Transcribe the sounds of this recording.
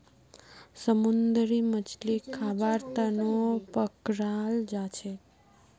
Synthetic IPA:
səmund̪ɾimət͡ʃlikʰːabaɾt̪anopəkɾald͡ʒat͡ʃʰe

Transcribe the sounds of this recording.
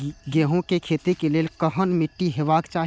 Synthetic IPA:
ɡeːɦõkekʰeːt̪ekeleːlkəɦənmɪʈːiɦeːbaːkt͡ʃaːɦ

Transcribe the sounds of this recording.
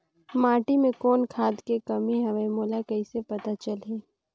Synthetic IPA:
maːʈimẽkɔːnkʰaːd̪kekɐmiɦɛʋemoːlakɐisepɐt̪at͡ʃəlɦeː

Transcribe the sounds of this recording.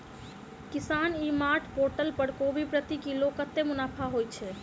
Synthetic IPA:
kisanimaʈʰpoɾʈəlpəɾkobʱipɾət̪ikilokət̪ːemunapʰaɦojt͡ʃʰɛ

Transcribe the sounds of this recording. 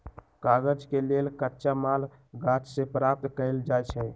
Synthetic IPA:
kaɡəd͡ʒkelelkətːʃamal | ɡat͡ʃsẽpɾap̚t̪kəɪld͡ʒajt͡ʃʰɛ

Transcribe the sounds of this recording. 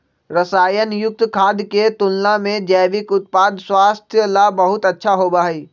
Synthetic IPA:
ɾəsaːjənjʊk̚t̪kʰaːd̪ket̪ʊlnamẽd͡ʒɛːʋɪkʊt̪̚paːd̪swaːst̪ʰjəlabɐɦʊt̪ɐtːʃʰaɦobaːɦiː

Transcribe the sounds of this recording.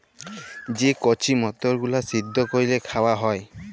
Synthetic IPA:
zikɔt͡ʃimɔt̪ɔɹɡulasidːɔkoɹilɛkʰawaɦɔj

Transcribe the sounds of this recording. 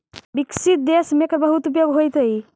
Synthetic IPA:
biksit̪̚d̪esmekɾbəɦut̪upjoɡɦojt̪əj

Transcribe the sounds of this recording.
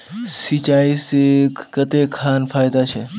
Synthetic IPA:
sit͡ʃaisekət̪ekʰanfajd̪at͡ʃʰe

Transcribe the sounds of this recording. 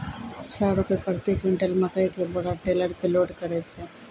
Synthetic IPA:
tːt͡ʃʰaɾʊpepɾət̪ekɪ̃ɳʈəlməkɾekebɐɽaʈeːləɾpeloːɖkəɾet͡ʃʰɛ

